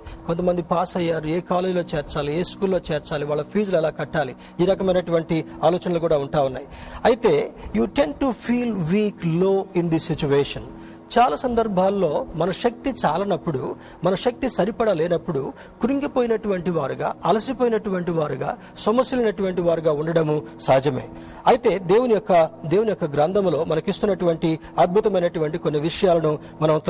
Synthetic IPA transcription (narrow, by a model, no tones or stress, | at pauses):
ko̞nt̪ɐmɐnd̪ipaːsɐjːaːɾueːkaːleːd͡ʒilo̞ːt͡ʃeːɾt͡ʃaːlieːskuːlːo̞ːt͡ʃeːɾt͡ʃaːliʋaːɭːɐpʰiːd͡ʒlɛlaːkɐʈːaːli | iːɾɐkɐmɐjnɐʈuʋɐɳʈiaːlɔːt͡ʃɐnɐlukuːɽaːuɳʈaːunːa̰ːjiɐjit̪e̞ːjuːʈe̞ɳʈupʰiːlʋiːklo̞ːind̪isit͡ʃuʋeːʂɐn | t͡ʃaːlaːsɐnd̪ɐɾbʱaːlːo̞ːmɐnɐʃɐk̚t̪it͡ʃaːlɐnɐpːuɽu | mɐnɐʃɐk̚t̪isɐɾipɐɽɐlɛːnɐpːuɽu | kuɾiŋɡipoːjinɐʈuʋɐɳʈiʋaːɾuɡa̰ːɐlɐsipoːjinɐʈuʋɐɳʈiʋaːɾuɡa̰ː | sɐmɐsjɐlɐnɐʈuʋɐɳʈiʋaːɾuɡaːuɳɖɐɽɐmusɐɦɐd͡ʒɐmḛː | ɐjit̪e̞ːd̪e̞ːwunijɔkːɐd̪e̞ːwunijɔkːɐɡɾaːnd̪ʱɐmlo̞ːmɐnɐkist̪unːɐʈuʋɐɳʈiɐd̪̚bʱut̪ɐmɐjnɐʈuʋɐɳʈikonːiʋiʂɐjaːlɐnu | mɐnɐmt̪